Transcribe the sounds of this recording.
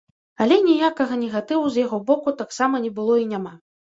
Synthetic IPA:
alʲɛnʲijakɐɣɐnʲɛɣat̪ɨwuzjaɣɔbɔkut̪aksamɐnʲɛbɨlˠɔinʲama

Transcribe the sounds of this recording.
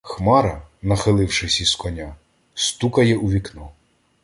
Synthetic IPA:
xmɑɾɐnɐxɪlˠɪwʃɪsʲiskɔnʲa | st̪ukɐjɛʔuʋʲiknɔ

